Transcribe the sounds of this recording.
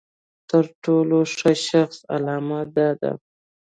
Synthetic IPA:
t̪əɾʈoloʂəʃaxsa̰lɑmad̪ɑd̪a̰

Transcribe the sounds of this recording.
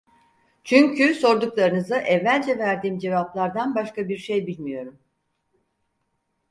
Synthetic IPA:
t͡ʃʰyɲcʰyso̞ɾd̪uklˠaɾɯnɯzɯʔɛvːælʲd͡ʒɛvæɾd̪iːmd͡ʒe̞vaplˠaɾd̪anbaʃkabiɾʃe̞jbilʲmijo̞ɾum

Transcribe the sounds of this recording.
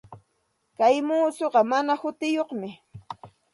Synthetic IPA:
kajmuːsoɢɑmanahʊt̪ɪjoχmɪ

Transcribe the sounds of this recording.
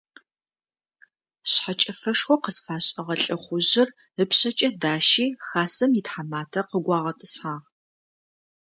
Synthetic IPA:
ɕħat͡ʃʼɐfɐʂxʷɔqəzfaːɕʼɐʁɐɬʼɐχʷʊʑɪr | ɨpɕɐt͡ʃʼɐdaːʃiːxaːsɐmjitħamaːtʰɐqəɡʷɑːʁɐtʼɨsħaːʁ

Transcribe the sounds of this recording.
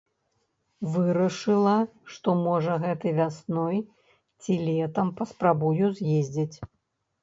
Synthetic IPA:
vɨɾɐʂɨlˠɐʂt̪ɔmɔʐɐɣɛt̪ɨvʲasnɔj | t͡sʲilʲɛt̪ɐmpɐspɾabujuzʲjezʲd͡zʲit͡sʲ

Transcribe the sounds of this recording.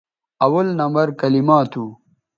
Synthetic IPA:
ɐwɐlnɐmbɐɾkɐlimaːt̪ʰu

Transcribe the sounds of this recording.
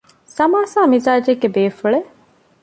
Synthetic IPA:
sɐmaːsaːmizaːd͡ʒeɡːebeːfuɭe

